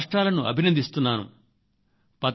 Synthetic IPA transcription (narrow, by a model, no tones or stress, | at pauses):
ʂʈɾaːlɐnuʔɐ̰bʱinɐnd̪ist̪unːaːnṵ | pɐt̪